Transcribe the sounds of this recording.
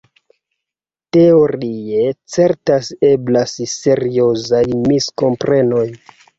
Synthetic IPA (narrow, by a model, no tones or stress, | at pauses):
te̞o̞ɾie̞t͡se̞ɾtaseblasse̞ɾio̞zajmisko̞mpɾe̞no̞j